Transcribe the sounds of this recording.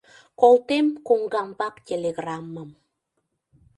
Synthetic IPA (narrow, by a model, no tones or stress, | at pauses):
kolt̪emkuŋɡambakt̪ʲeleɣramːəm